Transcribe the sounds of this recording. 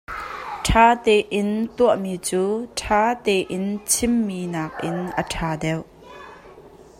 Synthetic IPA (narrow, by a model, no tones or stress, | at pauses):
ʈʰaːt̪ɛːʔɪnt̪uəʔmiːt͡suːʈʰaːt̪ɛːʔɪnt͡sʰɪmːiːnaːk̚ʔɪnʔəʈʰaːdɛwʔ